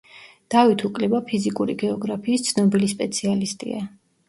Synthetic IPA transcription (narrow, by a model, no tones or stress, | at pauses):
d̪̥avit̪ʰukʼlɛbapʰizikʼuɾḭɡɛɔɡɾapʰiːst̪sʰnɔbilispʼɛt̪sʰialist̪ʼḭa